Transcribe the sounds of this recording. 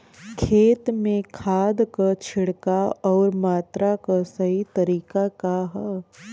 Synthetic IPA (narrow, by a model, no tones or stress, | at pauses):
kʰeːt̪mẽkʰaːd̪kat͡ʃʰɪɽkaɔːɾmaːt̪ɾakasɐɦit̪ɐɾiːkakaɦɛ